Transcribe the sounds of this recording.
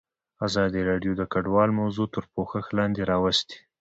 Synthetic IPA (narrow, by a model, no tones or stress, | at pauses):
azɑd̪iɾɑɖjod̪əkaɖwɑlmawzut̪əɾpoxəxlɑnd̪eɾɑwast̪i̥